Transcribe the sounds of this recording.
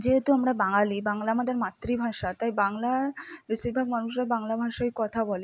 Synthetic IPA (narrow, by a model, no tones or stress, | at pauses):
d͡ʑeɦet̪uamɾabaŋalibaŋlaamad̪eɾmat̪ːɾibʱaʃat̪ajbaŋlabiʃiɾbʱaɡmanuʃ̬ɾabaŋlabʱaʃaekɔt̪ʰabɔle